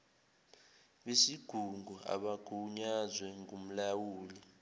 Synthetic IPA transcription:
ɓesiɡ̥ʱuŋɡʱua̰ɓaɡ̥ʱuɲazwɛŋʱum̩lawuːli

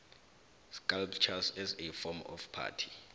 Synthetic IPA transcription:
skalpʰt͡ʃʰasɛzɛfɔmɔ̰fpʰa̰ːtʰi̥

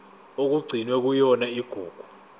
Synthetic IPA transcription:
ok̬uɡ͡ǀʱinwɛk̬ujɔnaiɡ̥ʱuːɡ̥ʱu̥

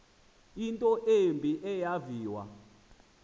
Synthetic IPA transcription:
intʼɔʔembʱiʔɛjaviːwa̰

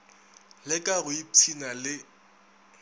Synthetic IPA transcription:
lɪkʼaɣʊipʰinalɪ

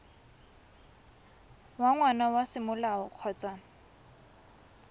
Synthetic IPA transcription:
waŋwanawasɪmʊlaʊq͡χʰɔːt͡sʼa

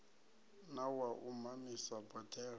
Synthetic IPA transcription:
nawaʔumamisabʼɔtʰʼɛːr

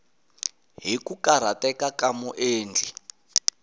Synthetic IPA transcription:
ɦikukaɾ̤atɛkakamuʔeːnd͡ɮi

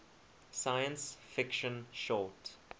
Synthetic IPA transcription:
sajə̃nsfɪkʃə̃nʃɔt

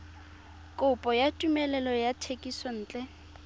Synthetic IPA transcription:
kʼʊpʼɔjatʼumɛlɛlɔjatʰekʼisɔn̩ːt͡ɬʼɛ

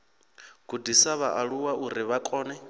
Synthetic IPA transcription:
ɡ̥ʱudisaβaʔaɺuwaʔuɾiβakʼɔːnɛ

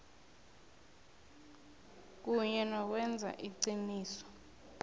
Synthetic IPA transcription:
k̬uɲɛnɔk̬wɛnd͡zʱa̰ʔiǀiniːsɔ̥

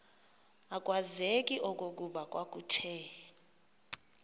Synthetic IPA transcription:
akʼwazekʼiʔɔk̬ʼok̬ʼuɓakʼwak̬ʼutʰɛ

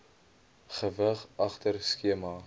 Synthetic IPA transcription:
χəvəχɑχtərskiəmɑː

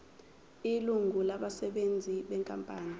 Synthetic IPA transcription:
iluŋulaɓasɛɓend͡zʱiɓɛŋkʼampʼaːni

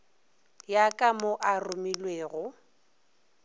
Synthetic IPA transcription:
jakʼamoʔarʊmilweːɣʊ

